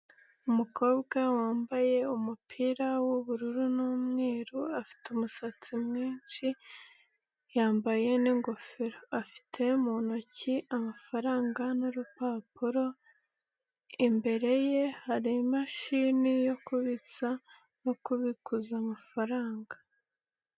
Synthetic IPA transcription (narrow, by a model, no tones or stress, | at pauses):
umuko̞ːbɡawaːmbaje̞umupʰiːɾawoβuɾuɾunuːmŋe̞ːɾuafi̥teumusat͡simŋiːnʃi | jaːmbaje̞niŋɡo̞feɾoafi̥tʰe̞munociʔamafaɾaːŋɡanuɾupapuɾo̞ | imbe̞ɾe̞je̞haɾimaʃiːnijo̞kuβit͡sa | no̞kuβikuzaːmafaɾaːŋɡa